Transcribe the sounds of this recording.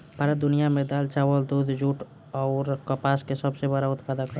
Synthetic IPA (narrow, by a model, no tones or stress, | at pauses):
paɾəd̪ʊnijamẽd̪aːlt͡ʃaːʋəld̪uːd̪ʱd͡ʒuːʈ | ɔʊɾkəpaːskesəbsebəɾaʊt̪paːd̪akəɾ